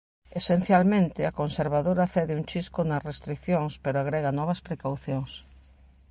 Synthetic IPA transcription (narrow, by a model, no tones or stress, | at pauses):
esen̟θjalmẽnt̪ɪakonseɾβaðoɾaθɛðɪuŋt͡ʃiskonɐsrest̪ɾikθjoŋspeɾoaɣɾɛɣɐnɔβɐspɾekawθjoŋs